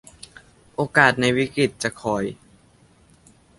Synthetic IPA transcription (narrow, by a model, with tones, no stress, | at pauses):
ʔoː˧kaː˨˩t̪̚na˧jwi˦˥kɾi˨˩t̪̚t͡ɕa˨˩kʰɔː˨˩˦j